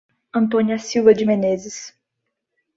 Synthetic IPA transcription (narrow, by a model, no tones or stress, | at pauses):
ɐ̃nt̪õniɐsiwvɐd͡ʒɪmẽnezɪs